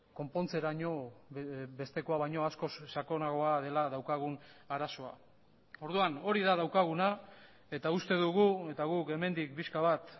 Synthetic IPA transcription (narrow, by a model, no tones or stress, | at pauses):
ko̞mpo̞nt͡se̞ɾaɲo̞ | be̞st̪e̞ko̞aβajɲo̞asko̞sːako̞naɣo̞aðe̞laðawkaɣ̞unaɾaso̞a̰ | o̞ɾðuano̞ɾiðað̞awkaɣ̞una | e̞t̪aust̪e̞ðuɣue̞t̪aɣ̞uke̞me̞nd̪ik̚piskaβat̪